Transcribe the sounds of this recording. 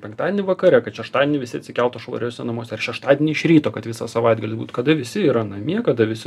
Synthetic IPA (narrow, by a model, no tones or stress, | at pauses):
pʲɛŋkt̪ɑːd̪ʲɛnʲɪʋɐkɐɾʲɛkɐt̪ʃʲɛʃt̪ɑːd̪ʲɪɛnʲɪʋʲɪsʲɪɐt̪sʲɪkʲɛlˠt̪oːʃʋo̰ɾʲoːsʲɛnɐmoːsʲɛɐrʃʲɛʃt̪ɑːd̪ʲɪnʲɪɪʃʲɾʲiːt̪oːkɐt̪ʋʲɪsɑsɐʋɐɪd̪ɡɐlʲɪsbuːt̪kɐd̪ɐʋʲɪsʲɪiːɾɐnɐmʲiɛkɐd̪ɐʋʲɪsʲɪ